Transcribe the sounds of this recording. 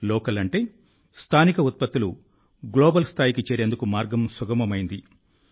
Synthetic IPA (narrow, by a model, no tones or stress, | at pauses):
lɔːkɐlɐɳʈe̞ː | st̪ʰaːnikɐut̪̚pɐt̪ːilu | ɡloːbɐlst̪ʰaːjikit͡ʃeːɾe̞ːnd̪ukumaːɾɡɐmsuɡɐmɐmɐjind̪i